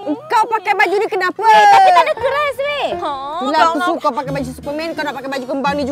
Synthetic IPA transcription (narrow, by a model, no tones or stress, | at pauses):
əŋkawpakajbad͡ʒunikənapaait̪adakuɾasbebilausuŋkawpakajbad͡ʒussu̥pəmɛnŋkawnaʔpakajbad͡ʒukəmbaŋnid͡ʒu